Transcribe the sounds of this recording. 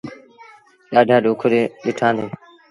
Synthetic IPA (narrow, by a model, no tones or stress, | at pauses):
ɗaːɖʱaːɗoːkʰəɾeːɗɪʈʰãːnd̪eː